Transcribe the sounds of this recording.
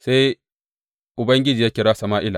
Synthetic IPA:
se˦j | ʔʊ˨bɐ˦ŋɡʲɪ˦d͡ʒiː˨ja˦kʲɪ˦ɾaː˦sɐ˨maː˦ʔɪ˦la̰˨

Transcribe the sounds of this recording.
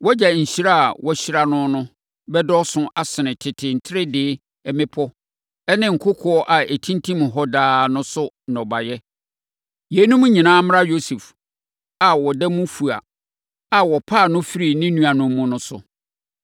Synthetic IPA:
wɔ˦d͡ʑa˨ɲ̩˨ɕi˦ɾa˦a˨wɔ˦ɕi˦ɾa˨nʊ̃˦nʊ̃˦ | bɛ˦dɔ˦sʊ̃˦ʔa˨sɪ˨nɪ̃˨tʰɪ˨tʰɪ˨n̩˨tʰɪ˦ɾɪ˦dɪ˨˦ | ɛ˨mɪ̃˦pʰɔ˦ | ɛ˦nɪ̃˦ŋ̩˨kʰʊ˦kʰɔ˨˦ɔ˦ʔa˨e˨tʰĩ˦ntʰĩ˦m̃˨ɦɔ˦daː˦nʊ̃˦sʊ˦ | n˨ɔ˨ba˨jɛ˦ | je˨˦nũ˦mũ˦ɲĩ˨nãː˦m˦ɾa˦jo˦su˨f | a˨wɔ˨dɛ˦mʊ̃˦fu˨a̰˨ | a˨wɔ˨pʰa˦˨nʊ̃˦fi˦ɾi˨nɪ̃˦nũ˨a˨nʊ̃˨m˦mːʊ̃˨nʊ̃˦sʊ̰˨

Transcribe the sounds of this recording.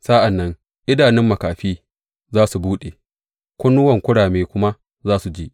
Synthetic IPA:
sa˦ʔa˨nːɐ˦ŋ | ʔɪ˦daː˨nɪ˦mːɐ˨kaː˨ɸiː˦ | zaː˦su˨buː˦ɗe˨ | kʷʊ˦nːʊ˦wɐ˨ŋkʷʊ˦ɽaː˨meː˦kʷʊ˦ma˦ | zaː˦su˨d͡ʒiː˦

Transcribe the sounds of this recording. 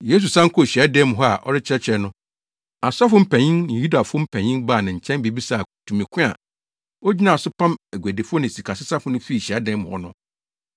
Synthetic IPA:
je˦s̬u˨sã˦ŋ̩˦kʰɔ˦˨ɕi˨a˦dɛ̃˦m˨ɦɔ˦a̰˨ʔɔ̰˦ɾɪ˦t͡ɕʰɛ˦t͡ɕʰɛ˦nʊ̃˦ | a˨sa˦fʊ̃˦m̩˦pʰæ̃˨ɲĩ˦nnɪ̃˨ju˦da˨fʊ˦ɔ˦m̩˦pʰæ̃˨ɲĩ˦nbaː˦˨nɪ̃˨ɲ̩˨t͡ɕʰɛ̃˦n˦be˨bi˦sa˦˨tʰũ˨mĩ˨kʰɪ̃˦a̰˨ | ɔ˦d͡ʑi˦nã˨sʊ˦pʰã˦mæ˨ɡʷæ˨de˨fʊ˦ɔ˦nɪ̃˨si˨kʰa˨sɪ˦sa˦fʊ˦nʊ̃˦fi˦˨ɕi˨a˦dɛ̃˦m˨hɔ̰˦nʊ̃˦

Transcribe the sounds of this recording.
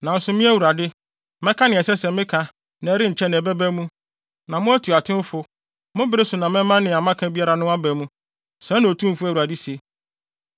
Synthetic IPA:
nã˨n̩˦sʊ˦mɪ̃˦æ˦wu˨ɾa˨dɪ˦ | mɛ̃˦kʰa˦nɪ̃˨ɛ˨sɛ˦sɛ˨mɪ̃˦kʰã˨ | nã˨˦ɾɪ̃˦ɲ̩˨t͡ɕʰɛ˦nɪ̃˨ɛ˨bɛ˦bæ˦mũ˦ | nã˨mʊ̃˦æ˦tʰu˨a˨tʰɪ̃˦m˦fʊ˦ | mʊ̃˦bɪ˦ɾɪ˦sʊ˨nã˨mɛ̃˦mːã˦nɪ̃˨a˨mã˦kʰã˦bi˦a˦ɾa˨nʊ̃˦a˦bæ˨mũ˦ | sɛ̃˦ñ˨o˨tʰũ˦m̩˨fʊ˦æ˨u˨a˨dɪ˦se˨

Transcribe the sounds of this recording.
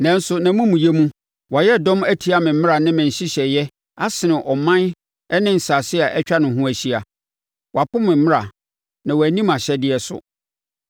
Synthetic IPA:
nã˨n̩˦sʊ˦nã˨mũ˦mũ˨jɛ˦mũ˦ | wa˨jɛ˦˨dɔ̃˦mæ˦tʰi˦a˦mɪ̃˨m̩˦mɪ̃˦ɾa˨nɪ̃˦mɪ̃˨ɲ˨ɕɪ˦ɕɛ˨jɛ˦ | a˦sɪ˨nɪ̃˨ʔɔ˨mã˦n | ɛ˦nɪ̃˦n̩˨saː˨sɪ˦a˨ʔɛ˦t͡ɕᶣa˦nʊ̃˨ɦũ˦æ˨ɕi˦a˨ | wɔ˨a˨pʊ˦mɪ̃˨m̩˦mɪ̃˦ɾa˨ | nã˨wæ˨nĩ˦mã˨ɕɛ˦dɪ˦ɛ˦sʊ̰˨

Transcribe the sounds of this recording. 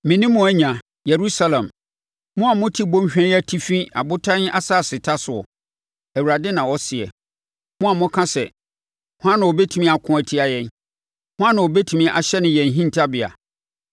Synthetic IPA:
mɪ̃˨nĩ˦mːʊ̃˨æ˦ɲã˨ | je˨ɾu˦sa˦lɛ̃˨m | mʊ̃˦a˨mʊ̃˦tʰi˦bõ˦m˦ɕᶣɛ̃˦æ˦tʰi˦fĩ˦a̰˨bʊ˦tʰã˦n˦a˦sa˦˨sɪ˨tʰa˦sʊ˨ɔ̰˨ | æ˨wu˨ɾa˨dɪ˦nã˨wɔ˦sɪ˨ɛ̰˨ | mʊ̃˦a˨mʊ̃˦kʰã˦sɛ˨ | hʊ˦ã˦nã˨ɔ˨bɛ˦tʰũ˦mĩ˦˨a˨kʰʊ̃˦æ˨tʰi˦a˨jɛ̃˦n | hʊ̃˦ã˦nã˨ɔ˨bɛ˦tʰu˨mĩ˦ʔa̰˨ɕɛ˦nɪ̃˨jɛ̃˨n˨ɦĩ˦n˨tʰa˦bɪ˨a̰˨

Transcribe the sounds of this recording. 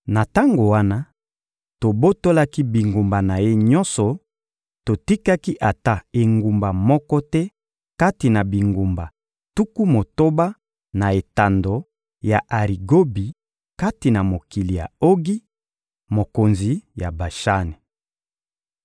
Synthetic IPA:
na˨ta˦ŋɡo˨wa˦na˦ | to˨bo˦to˦la˦ki˦bi˨ŋɡu˨mba˨na˨je˦ɲɔ̃˦nsɔ˨ | to˨ti˦ka˦ki˦ʔa˨ta˦e˨ŋɡu˨mba˨mɔ˦kɔ˦tɛ˦ | ka˦ti˨na˨bi˨ŋɡu˨mba˨ | tu˦ku˦mo˨to˦ba˦ | na˨e˨ta˨ndo˨ | ja˨ʔa˨ʁi˨ɡo˦bi˨ | ka˦ti˨na˨mo˨ki˨li˨ja̰˨o˦ɡi˦ | mo˨ko˨nzi˨ja˨ba˨ʃa˦ni˨

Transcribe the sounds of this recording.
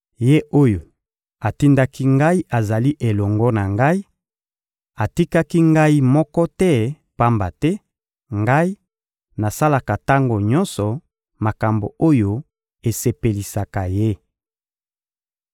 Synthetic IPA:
je˦o˦jo˨ | a˨ti˦nda˦ki˦ŋɡa˦i˦ʔa˨za˨li˦ʔe˨lɔ˨ŋɡɔ˦na˨ŋɡa˦i˦ | a˨ti˦ka˦ki˦ŋɡa˦i˦mɔ˦kɔ˦tɛ˦ | pa˦mba˨tɛ˦ | ŋɡa˦i˦ | na˨sa˦la˨ka˨ta˦ŋɡo˨ɲɔ˦nsɔ˨ | ma˨ka˨mbo˨o˦jo˦ | e˨se˨pe˨li˨sa˨ka˨je˦

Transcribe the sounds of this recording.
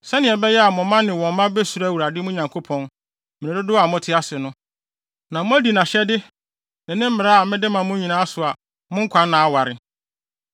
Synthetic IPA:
sɛ˦nɪ̃˨ɛ˨bɛ˦jɛ˦a˨mʊ̃˨mã˦nɪ̃˨wɔ̃˨m˦mã˦bɛ˦su˨ɾa˦˨wu˨ɾa˨dɪ˦mʊ̃˦ɲã˨ŋkʰo˦pʰɔ̃˦n | mɪ̃˨ɪ̃˨dʊ˦dʊ˦a˨mʊ̃˦tʰɪ˦a˦sɪ˨nʊ̃˦ | nã˨mʊ̃˦æ˦di˨nã˨ɕɛ˦dɪ˦ | nɪ̃˨nɪ̃˦m̩˦mɪ˨ɾa˦a˨mɪ̃˦dɪ˦mã˨mʊ̃˦ɲĩ˨nãː˦sʊ˨a˨ | mʊ̃˦ŋ̩˦kʷʰã˨˦n˦nã˨a˦wa˨ɾɪ˨

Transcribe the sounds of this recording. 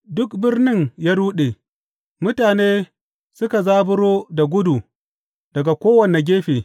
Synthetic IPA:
dʊ˦k̚bɪ˦rnɪ˦ŋjaː˦ɽuː˦ɗeː˨ | mʊ˦taː˨neː˦ | sʊ˦ka˨zaː˦bʊ˦ɽoː˦da˨ɡʷʊ˦du˨ | d̥ɐ˨ɡa˨kʷoː˦wɐ˨ne˨ɡʲeː˦ɸeː˨

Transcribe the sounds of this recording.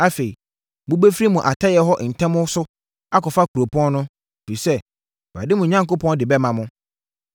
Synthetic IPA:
a˦fe˨i˨ | mʊ̃˦be˦fɾi˦mũ˨ʔa˨tʰa˦jɛ˨ɦɔ˦ʔn̩˨tʰɛ̃˦mʊ̃˦sʊ˦ | a˦kɔ˨fa˦kʰu˨ɾo˨pʰɔ̃˦n˦nʊ̃˦˨ | fi˨sɛ˦ | wa˨dɪ˦mʊ̃˨ɲã˦ŋko˦pʰɔ̃˦ndɪ˨bɛ˦mã˨mʊ̃˦

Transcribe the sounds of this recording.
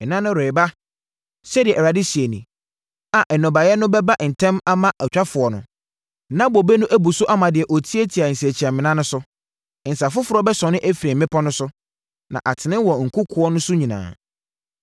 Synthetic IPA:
ɛ˨nã˦nʊ̃˦ɾe˨ɪ˨ba˦ | sɛ˦dɪ˨ɛ˨ɛ˨ɾa˨dɪ˦si˨e˨nĩ˨ | a˨ʔɛ˨nɔ̃˨ba˨jɛ˦nʊ̃˦bɛ˦ba˦n̩˨tʰɛ̃˦ma˦mã˦ʔa˨t͡ɕᶣa˦fʊ˨ɔ˨nʊ̰̃˨ | nã˦bɔ˨be˦nʊ̃˦ʔæ˦bu˨sʊ˦ʔa˦mã˨dɪ˨ɛ˨ʔo˨tʰi˦e˦tʰi˨a˨n̩˨se˨t͡ɕʰi˨a˨mɪ̃˨nã˦nʊ̃˦sʊ˦˨ | n̩˨sa˨fʊ˦fʊ˨ɾɔ˦bɛ˦sɔ̃˨nɪ̃˦ʔæ˦fi˨ɾɛ˨mɪ̃˦pʰɔ˦nʊ̃˦sʊ˦ | nã̰˨ʔa˨tʰɪ˨nɪ̃˦wɔ˨ŋ̩˨kʰʊ˦kʰʊ˦ɔ˦nʊ̃˦sʊ˦ɲĩ˨nã̰ː˨

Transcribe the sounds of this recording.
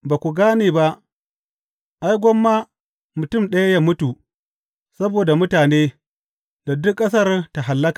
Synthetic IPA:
baː˨kʷu˨ɡaː˦neː˨ba˦ʔ | ʔa˦jɡʷɔ˦mːa˦ | mʊ˨tʊ˦˨mɗɐ˦ja˦ja˦mʊ˦tu˨ | sɐ˦boː˨da˨mʊ˦taː˨neː˦ | da˨dʊ˦kʼːɐ˦s̬ɐ˦˨rta˨ɦa˨lːɐ˦kḁ˨

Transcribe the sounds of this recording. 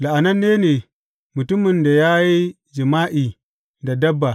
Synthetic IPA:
la˨ʔa˨nɐ˦nːeː˦neː˨ | mʊ˨tʊ˦mɪ˨nda˨jaː˦ji˦ | d͡ʒɪ˨maː˦ʔiː˨ | da˨dɐ˦bːa˨

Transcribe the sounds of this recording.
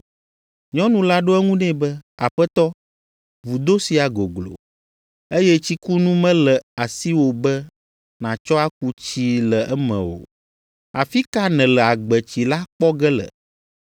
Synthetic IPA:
ɲɔ̃˦nũ˨la˦ɖo˦ɛ˦ŋũ˦nɛ̃˦˨bɛ˦a˨ɸɛ˦t̪ɔ˦ | vu˨d̪o˦si˨a˨ɡo˨ɡlo̰˨ | e˦jɛ˦t͡ɕi˦ku˦nũ˦mɛ̃˦lɛ˨a˨si˦wo˨bɛ˦ | nã˨t͡ʃɔ˦a˦k̚u˦t͡ɕi˦lə˨ʔɛ˦mɛ̰̃˨wo̰˨ | a˨fi˦ka˦nɛ̃˨lɛ˨a˨ɡ͡bɛ˨t͡ɕi˨la˦k͡pɔ˦ɡɛ˦lə̰˨

